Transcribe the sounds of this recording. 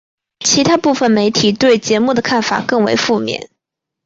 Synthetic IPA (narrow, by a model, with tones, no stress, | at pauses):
t͡ɕʰi˧˥t̪ʰa˥pu˥˩fə˨˩nme˧˥ɪt̪ʰi˨˩t̪we˥˩ɪt͡ɕjɛ˧˥mu˥˩d̪ə˩kʰa˥˩nfa̰˨˩kɤ˥˩ŋwḛ˧˥ɪfu˥˧mjɛ̰˥˩˦n